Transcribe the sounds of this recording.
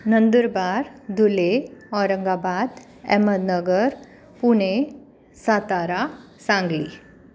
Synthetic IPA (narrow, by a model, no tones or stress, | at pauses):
nənd̪əɾbaɾd̪uleɔɾəŋɡabad̪ | ɛ̰məd̪nəɡəɾ | puɽ̃e | sat̪aɾa | sãŋɡlḭː